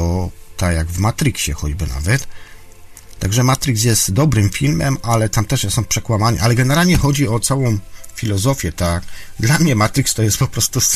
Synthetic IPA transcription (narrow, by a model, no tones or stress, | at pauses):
ɔt̪akjaɡvmat̪ɾɨkɕɛ̰xɔd͡ʑbɘna̰vɛt̪ | aɡʐɛmat̪ɾiks̬jɛst̪d̪ɔbɾɘmfʲilmɛmalɛt̪amt̪ɛʂjɛsɔ̃w̃pʂɛkwamaɲḭʔalɛɡɛnɛɾalɲɛxɔd͡ʑiɔt̪sawɔ̃w̃fʲilɔzɔfʲjɛt̪akd̪lamɲɛmat̪ɾikst̪ɔjɛst̪̚pɔpɾɔst̪us